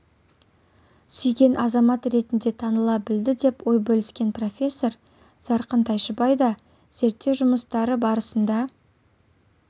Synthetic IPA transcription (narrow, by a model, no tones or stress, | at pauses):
sʏjɡʲe̞nʔɑzɑmɑt̪ɾe̞t̪ɪnd̪e̞t̪ʰɑnəlˠɑbɪld̪ɪd̪e̞pwo̞jbɵlɪskʲe̞npro̞fʲe̞sːo̞ɾ | z̥ɑɾqənt̪ʰɑjʃəbɑjd̪ɑ | z̥e̞ɾt̪ːe̞wʒʊməst̪ɑɾəbɑɾəsənd̪ɑ